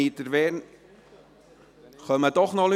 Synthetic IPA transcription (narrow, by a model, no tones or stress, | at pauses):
iːt̪əɾʋɛːɾn | χœməd̥ɔχnɔl